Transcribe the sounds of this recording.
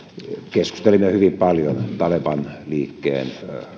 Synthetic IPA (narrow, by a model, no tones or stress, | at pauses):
kesku̥st̪elimːehyʋimpɑljont̪ɑlepɑnliːkːḛːn